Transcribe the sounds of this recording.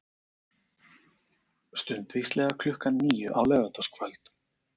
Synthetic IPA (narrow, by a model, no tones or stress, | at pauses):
st̪ʏnt̪vist̪lɛɣakʰlʏhkanːiːjʏʔawlœvat̪askʰvœlt̪